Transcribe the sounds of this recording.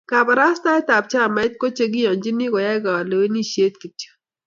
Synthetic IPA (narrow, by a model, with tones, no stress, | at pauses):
ka˨ba˨ɾa˦st̪a˦i˦t̪a˨p̚t͡ʃa˦˨ma˨˦jt̪̚ko˦t͡ʃe˦˨ɡ̬i˦jɔ˨nd͡ʒi˦ni˦kɔ˨ja˦ɡa˨wa˨le˨e˦ni˦ʃe˦t̪ki˨t͡ʃə̥˦